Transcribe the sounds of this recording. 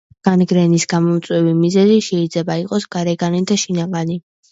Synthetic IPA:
ɡ̥anɡɾɛnisɡamɔmt̪sʼwɛvimizɛziʃɛid̪zlɛbaiqʼɔsɡ̥aɾɛɡanid̪aʃinaɡani

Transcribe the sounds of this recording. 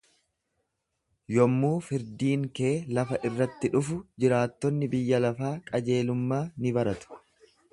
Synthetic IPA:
jɔmːuːfɪɾd̪iːŋke̞ːlɐfɐʔɪrːɐt̪ːɪᶑʊfʊd͡ʒɪɾaːt̪ːɔnːɪbɪjːɐlɐfaːkʼɐd͡ʒe̞ːlʊmːaːnɪbɐɾɐt̪ʊ̥

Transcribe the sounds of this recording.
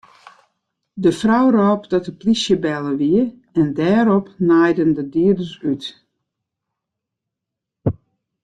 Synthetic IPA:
dəfrawrɔːpdɔtəplisjəbɛlˠəʋiə | ɛndɛːɾɔpnajdəndədiədəsyt

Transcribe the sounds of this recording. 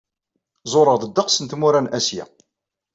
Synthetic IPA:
zˤoɾˤəʁðəd̪ːəqsənt̪muɾænʔæsjæ̰

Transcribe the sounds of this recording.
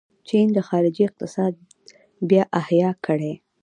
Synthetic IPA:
t͡ʃind̪əxɑɾɪd͡ʒiɪq̚t̪ɪsɑd̪̚ | bjɑʔahjɑkʰəɽe

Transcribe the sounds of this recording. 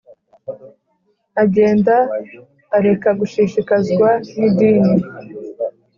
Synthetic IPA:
aɟe̞ːndaː | ɾe̞kaɡuʃiʃikazɡwanidiːni

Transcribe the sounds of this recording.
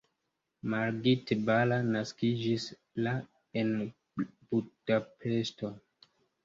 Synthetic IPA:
maɾɡitbalanaskid͡ʒis | la | en | bud̥apʰe̞sto̞

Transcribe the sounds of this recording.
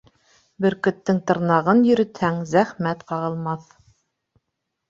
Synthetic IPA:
bɘ̆ɾkɵ̆t̪ːɘŋt̪ɤ̆ɾnɑʁɤnjɵ̆ɾɘ̆t̪hæŋzæχmæt̪qɑʁɤ̆lˠmɑθ

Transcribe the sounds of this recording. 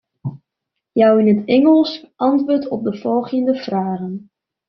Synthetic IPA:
jawɪnɦətɛŋəlˠsʔɑntʋʊːɹtʰɔp̚dəvɔlˠχəndəv̥raːχən

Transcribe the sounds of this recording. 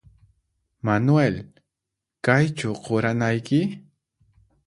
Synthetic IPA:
manwel | kajt͡ʃaqoɾanajkɪ

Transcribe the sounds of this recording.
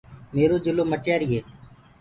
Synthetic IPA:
meːɾoːd͡ʒʊloːməʈjaːɾɪːeː

